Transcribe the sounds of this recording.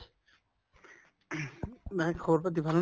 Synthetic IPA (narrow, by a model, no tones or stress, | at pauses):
makʰɔboɾpat̪̬ibʱaln